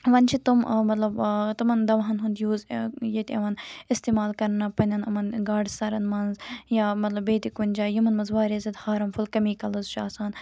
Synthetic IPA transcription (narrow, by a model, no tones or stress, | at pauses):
ʋɐnt͡ʃʰit̪ummɐt̪lɐbt̪ɐmɐnd̪ɐʋɐɦɐnɦund̪juːzjet̪ʲɐʋɐnist̪eːmaːlkɐɾnɐpɐnʲɐnɐmɐnɡaːɖsɐɾɐnmɐnzjaːmɐt̪lɐbeːt̪ikunʲd͡ʒaːjimɐnmɐnzʋaːɾezɐt̪haːɾɐmfulkɐmiːkɐlɐzt͡ʃʰaːsaːn